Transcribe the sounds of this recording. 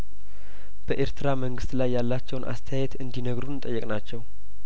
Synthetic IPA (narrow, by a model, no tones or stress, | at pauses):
b̥əʔeɾt̪ʰɨɾaməŋɡɨst̪lajːalːat͡ʃːɛwnʔa̰st̪ʰəjajɛt̪ɨnd̪inəɡɾunnt̪ʼəjːɛkʼnat͡ʃːɛw